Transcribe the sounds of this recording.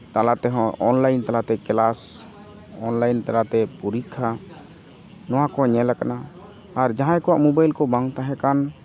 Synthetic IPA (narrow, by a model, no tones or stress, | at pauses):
t̪alat̪ɛɦɔ̃ɔnlajnt̪alat̪ɛkɛlas | ɔnlajnt̪alat̪ɛpuɾikʰːa | nɔwãkɔɲɛlakanaː | ɾd͡ʒaɦãjkɔwaʔmubajlkɔbãŋɡt̪aɦɛkan